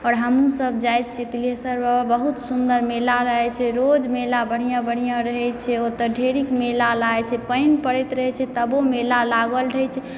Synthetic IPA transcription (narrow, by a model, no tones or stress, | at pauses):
ɔːɾɦəmũsəb̚d͡ʒajʰt͡ʃʰet̪ilesəɾbəɦut̪sund̪əɾmelaɾəɦɛt͡ʃʰɛɾod͡ʒmelabəɽ̤ijãbəɽ̤ijãɾəɦɛt͡ʃʰɛot̪əɖʱeɾikmelalaet͡ʃʰɛpəjnpəɾɛt̪ɾəɦɛt͡ʃʰɛt̪əbomelalaɡəlɾəɦɛt͡ʃʰɛ